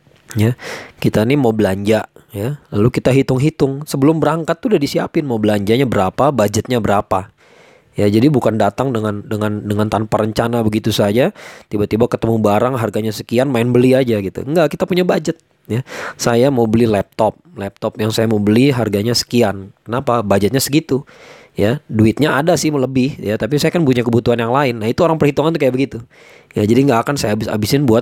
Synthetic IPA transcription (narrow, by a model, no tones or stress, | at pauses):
jakit̪ainimawbəlaɲd͡ʒajalalukit̪aɦit̪ʊŋɦit̪ʊŋsəbəlʊmbəɾaŋkat̪ːudadisiapɪnmaubəlaɲd͡ʒaɲabəɾapabad͡ʒət̪̚ɲabəɾapa | jad͡ʒadibukandat̪aŋdəŋandəŋandəŋant̪anpaɾəɲt͡ʃanabəɡit̪usad͡ʒat̪ibat̪ibakət̪əmubaɾaŋɦarɡaɲasə̥kianmaɪnbəliad͡ʒaɡit̪ṵŋɡaʔkit̪apuɲabad͡ʒət̪̚ | jasajamawbəlilɛp̚t̪ɔp̚lɛp̚t̪ɔp̚jaŋsajamabəliɦarɡaɲasə̥kiankənapabad͡ʒət̪̚ɲasəɡit̪u | jaduɪt̪̚ɲaadasɪhmələbɪhjat̪ap̬isajakanpuɲakəbut̪uɦanjaŋlaɪnːahit̪uoɾaŋpərhit̪uŋant̪uk̬ajaʔbəɡit̪u | jad͡ʒadiŋɡaːkansajabɪsa̰bisɪnbuat̪̚